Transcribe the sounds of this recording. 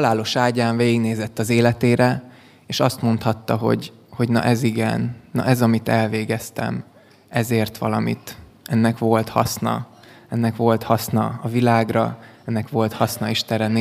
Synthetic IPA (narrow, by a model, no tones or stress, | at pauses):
laːlo̞ʃaːɟaːɱveːɡiɡneːzɛt̪ːɒzeːlɛt̪eːɾɛ | eːʃɒst̪mo̞nt̪hɒt̪ːɒɦo̞̰ɟ | ho̞ɟnɒ̰ʔɛziɡɛnːɒ̰ʔɛzɒmit̪ɛlveːɡɛst̪ɛ̰m | ɛzeːrt̪ʋɒlɒmḭt̪ | ɛnːɛkʋo̞lt̪hɒ̰snɒ̰ | ɛnːɛkʋo̞lt̪hɒsnɒɒvilaːɡrɒɛnːɛkʋo̞lt̪hɒsnɒiʃt̪ɛɾɛn